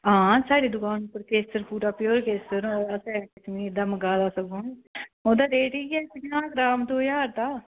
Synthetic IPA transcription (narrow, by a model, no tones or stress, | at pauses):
ãːsaːɽiːd̪ʊkãːnpəɾkeːsəɾpuːɾaːpjoːɾkeːsəɾoːɾəsɛ̃ːkɪt͡ʃmiːd̪aːməɡaːd̪aːsəɡõːoːd̪aːɾeːʈiːɛːpɪɲãːɡɾaːmt̪oːjaːɾt̪aː